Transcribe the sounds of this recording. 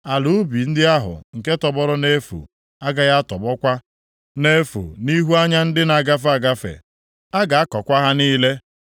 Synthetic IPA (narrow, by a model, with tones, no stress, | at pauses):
a˨lu˦bi˨n̩˦dɪ˦a˦ɦʊ̰˨ŋ̩˨ke˦tɔ˨bɔ˦ɾʊ˦ne˦fṵ˨ | a˦ɡa˦ɣa˦tɔ˨bɔ˦kʷa˦ | ne˦fṵ˨ni˦ɦu˦a˦ɲa˦n̩˦dɪ˦na˨ɡa˦f̬a˦ɡa˦fḛ˨ | a˦ɡa˨a˦kɔ˨kʷa˦ɦa˦niː˦le˦